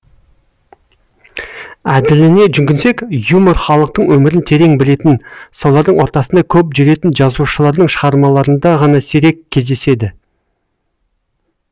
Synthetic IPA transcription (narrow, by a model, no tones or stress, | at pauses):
æd̪ɪlɪne̞ʒʏŋkʲɪnse̞kjumoɾχɑlˠəq̚t̪əɴwɵmɪɾɪnt̪ʰe̞ɾe̞ŋbɪle̞t̪ɪnsɑwlˠɑɾd̪əɴwo̞ɾt̪ɑsənd̪ɑkʲʰɵpʒʏɾe̞t̪ɪnʒɑzuʃəlˠɑɾd̪əɴʃəʁɑɾmɑlˠɑɾənd̪ɑʁɑnɑseɾe̞kʲʰːe̞zd̪e̞se̞d̪ɪ